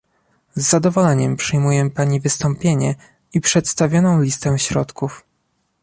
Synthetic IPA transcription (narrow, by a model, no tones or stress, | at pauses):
zːad̪ɔvɔlɛɲɛmpʂɘjmujɛpaɲivɘst̪ɔmpʲjeɲɛ | ipʂɛt̪st̪avʲjɔnɔ̃w̃lʲist̪ɛ̃ɕɾɔt̪kuf